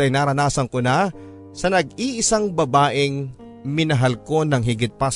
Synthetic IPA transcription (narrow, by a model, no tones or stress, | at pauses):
ɐjnaːɾɐnaːsɐŋkona | sɐnɐɡiʔɪsaŋbɐbaːʔɪŋ | mɪnɐɦalko̞nɐŋɦɪɡɪt̪̚pɐs